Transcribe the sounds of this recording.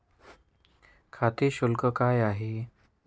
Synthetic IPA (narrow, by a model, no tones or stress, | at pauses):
kʰat̪eɕulkəkajaɦe